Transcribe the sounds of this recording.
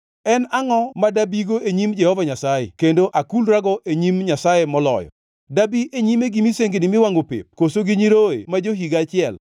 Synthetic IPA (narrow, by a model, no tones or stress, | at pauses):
ɛnaŋɔmadabiɡoeɲimd͡ʒɛhɔvaɲasajḛkendoʔakulɾaɡɔʔeɲimɲasajemɔlɔ̰jɔ̰ | dabiʔeɲimeɡimiseŋɡenɪmɪwaŋɡopḛp̚kosoɡiɲiɾoḛmad͡ʒoɦiɡat͡ʃɪɛl